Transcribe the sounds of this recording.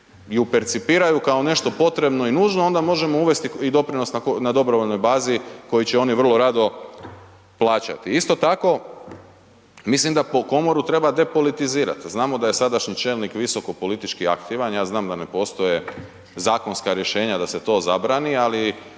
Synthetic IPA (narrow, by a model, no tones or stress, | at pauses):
iupe̞ɾt̪sipiːɾajukao̞ne̞ʃt̪o̞po̞t̪ɾe̞bno̞inuːʒno̞o̞nd̪amo̞ʒe̞mo̞uʋe̞st̪iid̪o̞pɾino̞snakonad̪o̞bɾoʋo̞ʎno̞jbaːziko̞jit͡ɕeo̞niʋr̩lˠo̞ɾaːd̪o̞ | plˠaːt͡ɕa̰t̪iist̪ot̪ako̞ | mislimd̪apoko̞mo̞ɾut̪ɾe̞bad̪e̞po̞lit̪iziːɾa̰t̪znaːmo̞d̪aje̞sad̪aʃɲit͡ʃe̞ːlnikʋiso̞ko̞po̞lit̪it͡ʃkia̰kt̪iːʋanjaːznaːmd̪ane̞po̞ːst̪o̞je | zaːko̞nskaɾje̞ʃe̞ːɲad̪aset̪o̞ːzabɾaːniali